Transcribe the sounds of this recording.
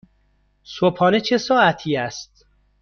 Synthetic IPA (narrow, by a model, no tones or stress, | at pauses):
sopʰɒːnet͡ʃʰe̞sɒːæt̪ʰiːæst̪̚